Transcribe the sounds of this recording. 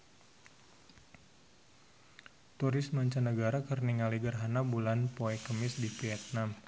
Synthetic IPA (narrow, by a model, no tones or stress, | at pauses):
t̪uɾɪsmaɲt͡ʃanəɡaɾakərniŋaliɡərɦanabulanpoɛkəmɪsdifiɛt̪̚nam